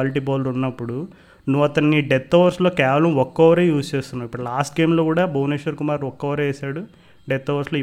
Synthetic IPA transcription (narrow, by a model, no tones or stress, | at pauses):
ɐliʈ̬iːbaːlɐɾunːɐpːuɽu | nuʋɐt̪ɐnːiɖet̪ːɔːʋɐɾslo̞ːkɛːʋɐlɐmɔkːɔʋɐɾeːjuːst͡ʃeːst̪unːaːmipːuɽulaːsʈ̚ɡe̞ːmlo̞ːkuːɽaːbʱɐwneːʃɐɾkumaːɾɔkːɐʋɐɾeeːsaːɽu | ɖet̪ːɔːʋɐɾslo̞ː